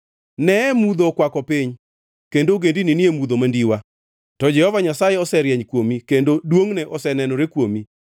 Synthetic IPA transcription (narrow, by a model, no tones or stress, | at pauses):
nɛmud̪okwakɔpiɲ | kendoɡendininiemud̪omandiwa | tɔd͡ʒɛhɔvaɲasajɛɔsɛɾjɛɲkwomikendodwoŋnɛʔɔsɛnɛnɔɾekwomi